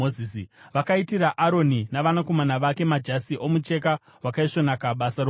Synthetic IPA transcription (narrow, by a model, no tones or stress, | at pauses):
ozisiʋakaitiɾaʔaɾo̞ninaʋanako̞manaʋake̞mad͡ʒasiʔo̞mut͡ʃe̞ka | wakaiʂo̞nakaɓasaɾo